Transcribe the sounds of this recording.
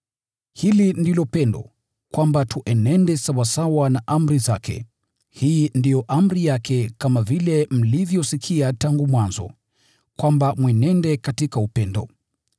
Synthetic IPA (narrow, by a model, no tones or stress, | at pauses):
hilindilɔpɛndɔ̰ | kwambatʰuʔɛnɛndɛsawasawanaʔam̩ɾizakʰɛ̰ | hiːndijɔʔam̩ɾijakɛkamavilɛm̩livjɔsikʰiataŋɡumwanzɔ̰ | kwambamwɛnɛndɛkatikaupɛndɔ̰